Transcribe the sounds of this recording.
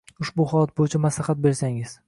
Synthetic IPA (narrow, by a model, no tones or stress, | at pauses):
ʊʃbʊχɒlˠat̪̚bojɪt͡ʃʰamaslɑhat̪̚be̞ɾsaŋɪz̥